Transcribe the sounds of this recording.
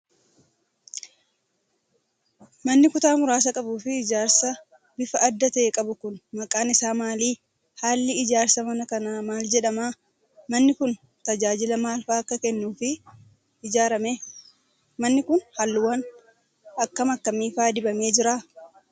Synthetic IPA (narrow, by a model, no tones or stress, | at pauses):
mɐnːɪkʊt̪aːmʊɾaːs̬ɐkʼɐbuːfɪɪd͡ʒaːɾsɐ | bɪfɐʔːd̪ːɐt̪ɐʔeːkʼɐbʊkʊnmɐkʼaːnɪsaːmaːliː | haːlːɪɪd͡ʒaːɾsɐmɐnɐkɐnaːmaːld͡ʒɛᶑɐmaː | mɐnːɪkʊn | t̪ɐd͡ʒaːd͡ʒɪlɐmaːlfaːɐkːɐkɛnːuːfɪː | d͡ʒaːɾɐme | mɐnːɪkʊnhɐlːʊwɐn | ɐkːɐmɐkːɐmiːfaːd̪ɪbɐme̞ːd͡ʒɪɾaː